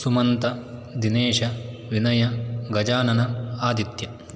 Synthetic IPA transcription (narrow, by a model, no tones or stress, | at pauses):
sumɐnt̪ɐd̪ineːʂɐ | ʋinɐjɐɡɐd͡ʒaːnɐnɐaːd̪it̪jɐ